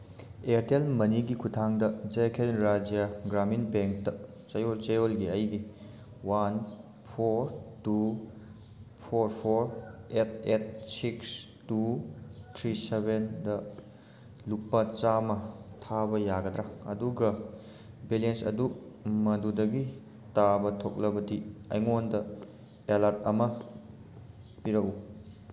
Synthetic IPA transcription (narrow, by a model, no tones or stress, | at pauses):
eɾtelmɐniɡikʰutʰaŋdɐd͡ʒekʰenɾad͡ʒijaɡɾaminbeŋk̚dɐ | t͡ʃɐjolt͡ʃejolɡiɐjɡi | wan | pʰoɾtu | pʰoɾpʰoɾet̚ʰet̚siks | tutʰɾisebendɐ | lupːɐt͡ʃamɐtʰabɐjaɡɐdɾaŋɐ̰duɡɐ | bilensɐ̰dumɐdudɐɡi | tabɐtʰok̚lɐbɐdiɐjŋondɐ | elat̚ɐmɐ | piɾɐku